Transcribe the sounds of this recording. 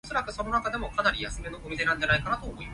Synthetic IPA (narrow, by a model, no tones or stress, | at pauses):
so̞ɾakɯ̟so̞no̞nakad̪e̞mo̞kanaɾʲijasɨme̞noɡomʲid̪e̞nãnd̪anaikanat̪oːmo̞ima